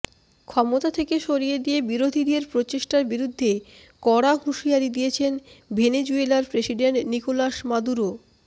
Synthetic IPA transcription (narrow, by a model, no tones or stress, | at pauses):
kʰɔmot̪at̪ʰekeʃoɾijed̪ijebiɾod̪ʱid̪eɾpɾot͡ɕeʃʈaɾbiɾud̪ʱːe | kɔɽaɦuʃiaɾid̪iet͡ɕʰenbened͡ʑuelaɾpɾesiɖeɳʈnikolaʃmad̪uɾo